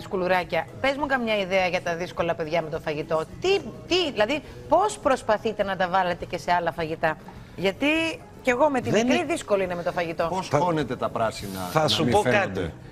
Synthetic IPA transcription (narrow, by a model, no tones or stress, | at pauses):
iskuluɾɐcɐpe̞zmukɐmɲɐiðeɐʝɐt̪ɐðisko̞lɐpe̞ðʝɐme̞t̪o̞fɐʝit̪o̞t̪it̪iilɐði | po̞spɾo̞spɐθit̪e̞nɐt̪ɐvɐle̞t̪e̞ce̞se̞ɐlɐfɐʝit̪ɐ | ʝɐt̪i | ce̞ɣo̞me̞t̪inekɾiðisko̞loineme̞t̪o̞fɐʝit̪o̞posonet̪e̞t̪ɐpɾɐsinɐ̰ɐsupokɐt̪i